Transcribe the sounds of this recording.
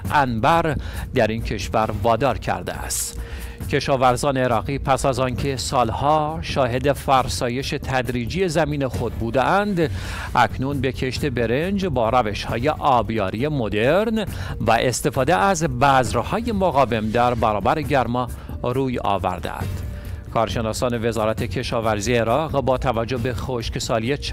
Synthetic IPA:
ʔænbæɾd̪æɾiːncʰe̞ʃvæɾvɒːd̪ɒːɾcʰæ̰ɾd̪ḛæ̰st̪ | cʲʰe̞ʃɒːvæɾzɒːneːɾɒːɣiːpʰæsæzɒːncʰe̞sɒːlhɒːʃɒːɦed̪e̞fæɾsɒːje̞ʃe̞t̪ʰæd̪ɾiːd͡ʒiːje̞zæmiːnexo̞d̪̚buːd̪eʔænd̪ | ʔækʰnunbe̞kʰe̞ʃt̪e̞be̞ɾe̞nd͡ʒbɒːɾæve̞ʃhɒːje̞ʔɒːbjɒːɾije̞mo̞d̪e̞ɾnvæʔe̞st̪e̞fɒːd̪eæzbæzɾhɒːje̞moɣɒːve̞md̪æɾbæɾɒːbæɾeɟæɾmɒː | ɾuːjɒ̰ːvæ̰ɾd̪ḛæ̰nd̪̥ | kʰɒːɾʃe̞nɒːsɒːne̞ve̞zɒːɾæt̪ʰecʰe̞ʃɒːvæɾziːeeɾɒːʁbɒːt̪ʰævæd͡ʒːobe̞xoʃksɒːlijet͡ʃ

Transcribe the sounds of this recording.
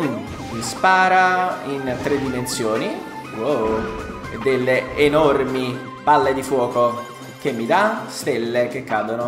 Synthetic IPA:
un | mispaːɾaint̪ɾed̪ːimensjoːni | o | ed̪ːelːeːnɔrmi | palːed̪ifwɔːko | k̟emːid̪ast̪elːek̟ekːaːd̪ono

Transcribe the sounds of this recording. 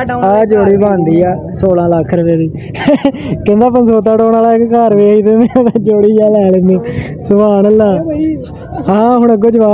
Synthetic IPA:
aːd͡ʒoːɽiːbãːnd̪iːaːsoːlãːləkʰːɾəʋeːd̪iː | kɛ̃nd̪aːpənsoːt̪̬aːʈoːnaːlaːɪkkaːɾʋeːiːt̪ẽːnd̪ẽt̪ad͡ʒoːɽiːjaːlɛːleːnd̪iː | sʊbaːnəlːaː | ɦãːɦʊɳ̃əɡoːd͡ʒbaː

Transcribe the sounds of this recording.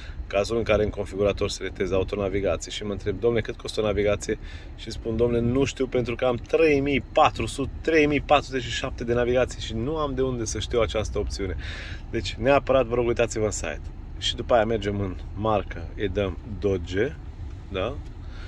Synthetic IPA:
kazulɨŋkaɾe̞ɨŋko̞nfiɡuɾat̪o̞rselet̪e̞zaut̪o̞naviɡat̪sijeʃimənt̪ɾe̞b̚d̪omne̞kɨt̪̚ko̞st̪əonaviɡat̪sije̞ | ʃispund̪omnenuʃt̪iwpe̞nt̪ɾukəamt̪ɾe̞jmijpat̪ɾusut̪et̪ːɾe̞jmijpat̪ɾuze̞t͡ʃːiʃap̚t̪e̞d̪e̞naviɡat̪sijʃinuamd̪e̞und̪e̞səʃt̪iwat͡ʃast̪əoptsiune̞ | d̪e̞t͡ʃʲneapəɾat̪vəɾo̞ɡujt̪at̪sivəɨnsa̰jt̪ | ʃid̪upajame̞rd͡ʒe̞mɨnmarkəed̪əmd̪od͡ʒe̞ | d̪a

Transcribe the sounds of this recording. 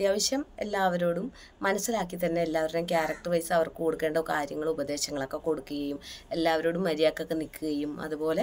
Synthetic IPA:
ɐt̪jaːʋɐɕjɐme̞̰lːaːʋɐɾoːɽumː | ɐnɐsːilaːkːit̪ɐnːe̞ːlːaːʋɐɾɾumkʲaːrɐk̚ʈɨʋɐjsɨɐʋɐrkkoːɽukːe̞ːɳɖokaːɾjɐŋːɐɭubɐd̪e̞ːɕɐŋːɐɭokːe̞ko̞ɽukːuɣɐjume̞lːaːʋɐɾo̞ːɽumːɐɾijaːkːɐkːenikːuɣɐjumɐ̰ðubo̞ːle̞

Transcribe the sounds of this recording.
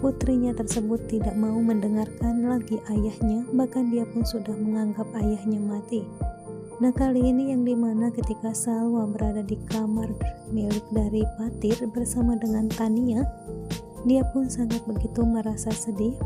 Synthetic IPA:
put̪ɾiɲat̪ərsəbʊt̪ːidaʔmauməndəŋarkanlaɡiʔajahɲabahkandiapʊnsudahməŋaŋɡap̚ajahɲamat̪i | nahkaliːnijaŋdimanakət̪ikasalwabəɾadadikamarnilɪk̚daɾipat̪ɪrbərsamadəŋant̪ania | diapʊnsaŋat̪̚bəɡit̪uməɾasasədɪ

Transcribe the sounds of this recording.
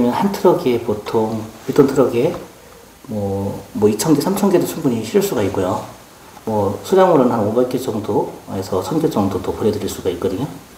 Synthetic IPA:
mjʌnhantʰɯɾʌɡepotʰoŋitʰontʰɯɾʌɡe | mwʌmwʌit͡ɕʰʌnɡesʰamt͡ɕʰʌnɡedot͡ɕʰuŋbuɲiɕʰiɾiɭs͈uɡaik͈ujo | mwʌsʰud͡ʑaŋuɾonnɦanobek͈et͡ɕʌŋdoesʰʌsʰʌnɡet͡ɕ͈ʌŋdodopuɾedɯɾiɭs͈uɡaik͈̚ʌdɯɲo

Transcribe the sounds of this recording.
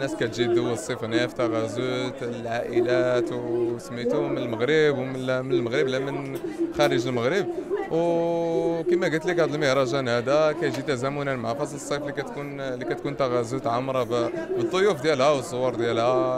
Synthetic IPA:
nːæskæt̪ʒid̪əwːəsˤːifnæft̪ɑɣæzut̪lʕaʔəlæt̪wsəmːit̪umənəlməɣɾəbwmmənəlməɣɾəblæmənxæɾəʒəlməɣɾəb̚w | kəmæɡəlt̪likæd̪əlməhɾˤɑʒænhæd̪ækæjʒit̪æzæmʊnænmʕafɑsˤləsˤːeflikæt̪kunlikæt̪kunt̪æɣæzut̪ʕamɾˤɑbbət̪ˤːojufd̪jælhæwəsˤːowɑɾˤd̪jælhæ

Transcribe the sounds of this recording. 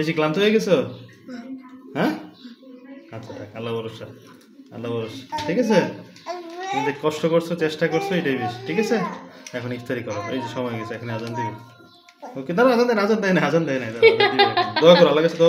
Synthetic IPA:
beʃ̬iklamt̪oɦojeɡɛt͡ɕʰo | ɦɛ | atːɕʰaʈʰakalːabɔɾoʃa | a̰lːabɔɾoʃaʈʰikat͡ɕʰe | amit̪ekɔʃʈokoɾsʰot͡ɕesʈakoɾt͡ɕʰoeʈaibeʃi̥ʈʰikat͡ɕʰeɛkʰonikt̪ʰaɾikɔɾoejd͡ʑiʃɔmɔjɡɛt͡ɕʰeɛkʰonjad͡ʑant̪i | okid̪aɾad͡ʑant̪inad͡ʑant̪anajad͡ʑant̪anajd̪ad̪id̪ɔakɔɾalːaɡɛod̪ɔ

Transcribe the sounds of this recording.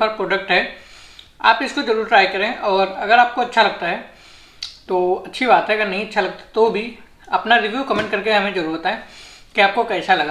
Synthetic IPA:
ɐɾpɾoːɖək̚ʈɦɛ | a̰ːpɪskod͡ʒɐɾuːɾʈɾaːjkɐɾẽʔɔːɾɐɡəɾaːp̚koɐtːʃʰalɐɡ̚t̪aɦɛ | t̪oːɐtːʃʰibaːt̪ɦɛɐɡəɾnɐɦĩɐtːʃʰalɐɡ̚t̪ḁt̪obʱi | ɐpnaɾɪʋjukəmẽɳʈ̚kɐɾkeɦɐmẽd͡ʒɐɾuːɾət̪ɦɛːkiaːp̚kokɛːsalɐɡa

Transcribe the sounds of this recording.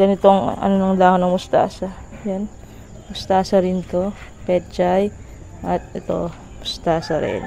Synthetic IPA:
ɡɐnɪt̪oŋɐ̰nonɐŋd̪aːhonɐŋmʊst̪a̰ːsɐjan | mʊst̪aːsɐɾɪnt̪o̞pɛt͡ʃaj | ʔɐt̪̚ɛt̪o̞ | mʊst̪aːsɐɾɪ̰n

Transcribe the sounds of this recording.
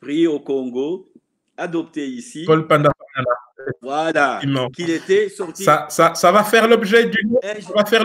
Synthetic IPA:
pʁiokɔ̃ŋɡo | ad̪ɔpt̪eisipɔlpãnd̪aanãnavwalaimɑ̃kilet̪ɛsɔʁt̪isasasavafɛʁlɔbʒɛd̪ynuavafɛʁ

